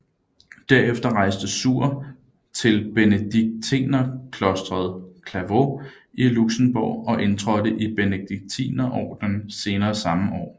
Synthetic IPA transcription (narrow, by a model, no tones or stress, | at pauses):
d̥æɐ̰efd̥ɐʁɑ̈ɪsd̥əsuɐ̰ | t͡sʰe̝lb̥enəd̥iɡ̥̚t͡sʰḭːnɐkʰlɒ̽sd̥ʁɐð̞̩ˠkʰlæʋo̝ | iluɡ̥sən̩b̥ɒ̰ɒ̽ʔe̝nt͡sʰʁɒ̽d̥əʔib̥enəd̥iɡ̥̚t͡sʰḭːnɐʔɒ̰ːd̥n̩se̝ːnɐːsɑ̈məʔɒ̰ː